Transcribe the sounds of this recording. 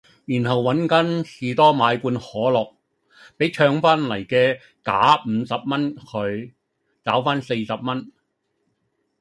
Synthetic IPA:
jyː˨˩nɦɐ˨wːɐ˨˥nkɐ˨˥nsiː˨t̪ɔː˥maː˨˧jkuː˧nhɔː˨˥lɔː˨˩k̚ | pe˨˥jt͡ʃʰœː˧ŋfaː˥nlɐ˨˩jkɛː˧ | kaː˨˥m̩˨˧sɐ˨p̚mɐ˥nkʰɵ˨˧ɥ | t͡saː˨˥wfaː˥nse˧jsɐ˨p̚mɐ˥n

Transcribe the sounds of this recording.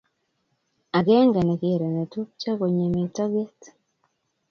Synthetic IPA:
a˨ɡɛ˦ŋɡɛ˨nɛ˨ke˨ɾe˨nɛ˨tu˦p̚t͡ʃa˦ɡo˨ɲe˨me˨tɔ˦ɡe˦t

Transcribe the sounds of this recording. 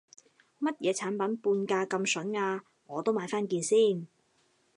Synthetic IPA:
mɐ˥t̚jɛː˨˧t͡sʰaː˨˥npɐ˨˥npuː˧nkaː˧kɐ˧msɵ˨˥naː˧ | ŋɔː˨˧t̪o˥wmaː˨˧jfaː˥nkiː˧nsiː˥˩n

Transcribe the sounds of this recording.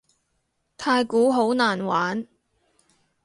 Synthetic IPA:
t̪ʰaː˧jkuː˨˥ɦo˨˥wnaː˨˩nwaː˨˥n

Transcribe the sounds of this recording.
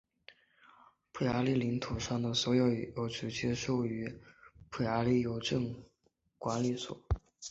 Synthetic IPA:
pʰə˧˩ɪa˧˥li˥˩li˧˥ŋt̪ʰu˨˩ʂɑ˥˩ŋd̪ə˩swɔ˧˥jo˨˧˩ʊjo˧˩ʊʈ͡ʂɻ̩˧˥t͡ɕjɛ˥ʂo˥˩ʊy˧˥pʰə˧˩ɪa˧˥li˥˩jo˨˩˥ʊʈ͡ʂɤ˥˩ŋ | kwa˧˥nli˨˩swɔ̰˨˩˦

